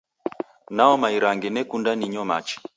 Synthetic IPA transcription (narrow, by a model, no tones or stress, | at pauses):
naɔmaiɾaŋɡɛnɛkundaniɲɔma̰t͡ʃɛ̥